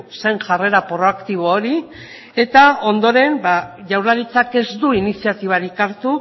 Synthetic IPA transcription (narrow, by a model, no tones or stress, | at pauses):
sejŋʝare̞ɾapɾo̞akt̪iβ̞oːɾi | e̞t̪ao̞nd̪o̞ɾe̞nbaʝawɾlaɾit͡sake̞zd̪uinisiat̪iβ̞aɾikaɾt̪u